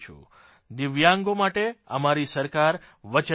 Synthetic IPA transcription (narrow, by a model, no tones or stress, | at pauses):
t͡ʃʰṵ | d̪ɪʋjaŋɡomaʈeə̰maɾisəɾkaɾ | ʋət͡ʃə